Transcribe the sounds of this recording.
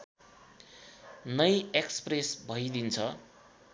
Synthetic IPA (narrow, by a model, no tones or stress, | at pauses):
nʌjekspresbʱʌjd̪int͡sʰʌ